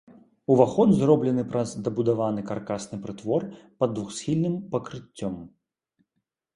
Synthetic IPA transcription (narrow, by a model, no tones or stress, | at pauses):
uvaxɔd̪zrɔblʲɛnɨpɾɐzd̪ɐbud̪avanɨkarkasnɨpɾɨt̪vɔrpɐd̪ːvuxsʲxʲilʲnɨmpɐkɾɨt͡sʲːɔm